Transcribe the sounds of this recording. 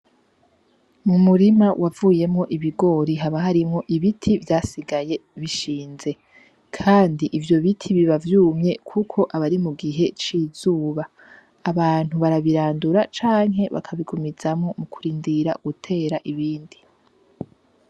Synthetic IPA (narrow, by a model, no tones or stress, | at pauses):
mumuɾimawʔavuːje̞mŋo̞ʔiβiɡo̞ɾiɦaβaɦaɾimŋo̞ʔiβitʰivjaːsiɡaje̞βiʃiːnze̞ | kʰaːndiʔivjo̞βitʰiβiβavjuːmɲe̞kʰukʰo̞ʔaβaɾimuɡiɦe̞t͡ʃiːzuːβaː | βaːn̥huβaɾaβiɾaːnduɾat͡ʃaːŋɦeβa̰kʰaβiɡumiz̥amŋo̞mukʰuɾiːndiɾa̰ɡ̥utʰe̞ːɾaʔiβiːndi